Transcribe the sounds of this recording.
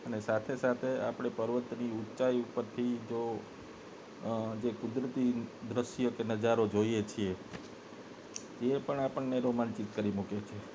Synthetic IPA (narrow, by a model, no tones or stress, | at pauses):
ənesat̪ʰesat̪ʰea̰pɽ̃epəɾʋət̪niutːʃaiupəɾt̪ʰid͡ʒo | d͡ʒekud̪ɾət̪id̪ɾəʃjokenəd͡ʒaɾod͡ʒojet͡ʃʰie | epəɳapəɳːeɾomant͡ʃit̪kəɾimuket͡ʃʰe